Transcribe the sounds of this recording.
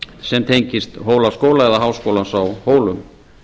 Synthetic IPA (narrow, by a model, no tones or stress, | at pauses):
sɛmt̪ʰejɲcɪst̪ɦoːwlaskoːwlaɛðaɦaːwskoːwlansawhoːwlʏm